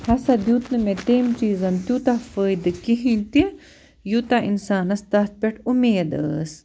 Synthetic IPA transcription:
hɐsɐd̪juːt̪nɨmẽt̪eːmt͡ʃiːzɐnt̪ʲjuːt̪afəːjd̪ɨkiɦĩt̪i | jut̪aʔḭnsaːnɐst̪ɐt̪̚pʲeʈʰumeːd̪ə̰ːs

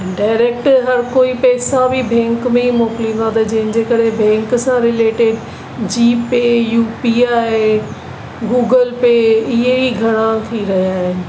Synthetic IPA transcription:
ɖaːɪɾeːk̚ʈɦɐɾkoːipɛːsabʱibʱɛ̃ːŋkmẽimoːklĩːnd̪at̪ɐd͡ʑɐɦɪ̃n̆d͡ʑeːkɐɾebʱɛ̃ːŋksãɾɪleːʈɪɖ | d͡ʑiːpejuːpiaːɦe | ɡuːɡəlpeːɪɦeiɡʱɐɽ̃at̪ʰiɾɐɦijaːɦɪnɪ̆

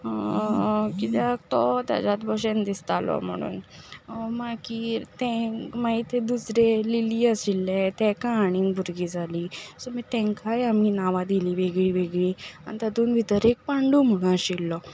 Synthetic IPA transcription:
kit̪ɛkt̪ɔt̪a̰d͡ʑat̪̚bʱɔɕend̪ist̪alɔ̰m̤ə̰ɽ̃ṵːn | makit̪ɛ̃mait̪ed̪usɾeliliːəsilːet̪ɛkãːɽ̃ĩŋɡbʱuɾɡiːd͡zʱaliːsɔmit̪ɛ̃ŋkajamiːnaʋad̪iliːʋeɡɭiːʋeɡɭia̰nit̪at̪uːnʋit̪əɾek̚paɳɖuːm̤əɽunaɕilːɔ

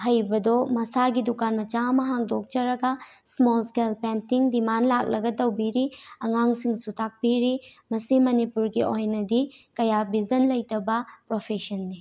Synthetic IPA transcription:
ɦɐjbɐdɔmɐsaɡidukanmɐt͡ʃamɐɦaŋdok̚t͡ʃɐɾɐɡɐsmolskelpentiŋdimanlak̚lɐɡɐtɐwbiɾiɐŋaŋsiŋsutak̚piɾimɐsimɐnipuɾɡiojnɐdikɐjabizɐnlɐjtɐbɐpɾopʰesɐnːi

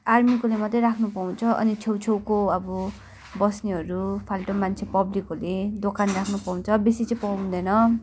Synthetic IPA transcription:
armikolemʌt̪ʌjɾakʰnupaw̃t͡sʰʌʔʌ̰nit͡sʰewt͡sʰewkoʌbʌ | bʌsniɦʌɾupʰalʈomant͡sʰepʌblikʌled̪okanrakʰnupaũw̃t͡sʰʌbesit͡sʌpʌũd̪ʌjnʌ

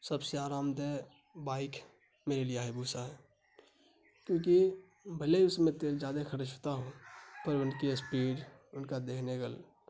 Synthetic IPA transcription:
səbseaːɾaːmd̪e | baːɪk | meːɾelieaːɦebʱuːsaɦɛː | kjõːki | bʱəleiʊsmẽt̪eːld͡ʒjaːd̪exəɾd͡ʒɦot̪aɦõpəɾʊnkiəspiːɾ | ʊnkad̪eːkʰneɡəl

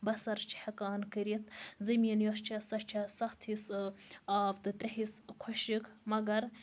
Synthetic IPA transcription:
bɐsɐɾst͡ʃʰi̥hɐkaːnkɐɾit̪zɐmiːnjost͡ʃʰɐsɐʃt͡ʃʰɐsɐxt̪hisaːbt̪ɨt̪ɾʲɐɦiskʰoʃikʰmɐɡɐɾ

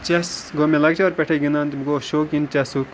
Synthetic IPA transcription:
t͡ʃɐsɡoːmelɐɡt͡ʃʰaɾpʲɛʈʰeɡinant̪bɡoːʃoːkint͡ʃɐsuk

